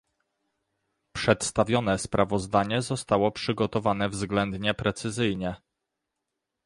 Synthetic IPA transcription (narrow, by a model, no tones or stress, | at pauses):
pʂɛt̪st̪avʲjɔnɛspɾʔavɔzd̪aɲɛzɔst̪awɔpʂɘɡɔt̪ɔvanɛvzɡlɛnd̪ɲɛpɾɛt̪sɘzɘjɲɛ